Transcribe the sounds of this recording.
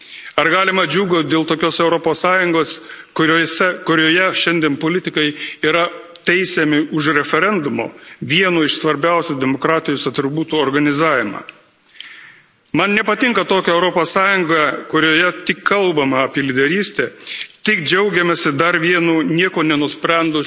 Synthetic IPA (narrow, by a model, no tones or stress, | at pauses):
ɐɾɡɑːlʲɪmɐd͡ʒʲuːɡoːt̪̚ʲd̪ʲeːlˠt̪oːkʲoːsɛʊɾɔpoːssɑːjʊŋɡoːskʊɾʲosʲɛkʊɾʲoːjɛʃʲɛnʲd̪ʲeɛnpoːlʲɪt̪ʲɪkɐɪiːɾɐt̪ʲɛɪsʲɛmʲɪʊʃɾʲɛfʲɛɾʲɛnd̪ʊmo̰ːʋʲiɛnoːɪʃsʋɐɾʲbʲæʊsʲuːd̪ʲɛmokɾɑːt̪ʲɪjoːsɐt̪ʲɾʲɪbuːt̪uːoːɾɡɐnʲɪzɑːʋʲɪmɑ̰ː | mɐnnʲɛpɐt̪ʲɪŋkɐt̪oːkʲɛɛʊɾɔpoːssɑːjʊŋɡɐkʊɾʲoːjɛt̪ʲɪkʰːɐlˠbɐmɐɐpʲiɛlʲɪd̪ʲɛɾʲiːsʲt̪ʲɛt̪ʲɪkd͡ʒʲɛʊɡʲɛmʲɛsʲɪd̪ɐɾʋʲiɛnuːnʲiɛkoːnʲɛnʊsʲpʲɾʲɛnd̪ʊ